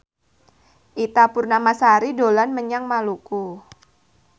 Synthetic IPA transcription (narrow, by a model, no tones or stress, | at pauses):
ʔit̪apʊrnamasaɾidolanməɲaŋmaluku